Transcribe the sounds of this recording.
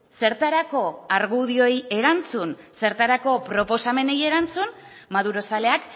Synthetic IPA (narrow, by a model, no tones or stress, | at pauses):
se̞ɾt̪aɾako̞aɾɣuðio̞je̞ɾant͡sunse̞ɾt̪aɾako̞pɾo̞po̞same̞ne̞je̞ɾant͡sunmaðuɾo̞sale̞ak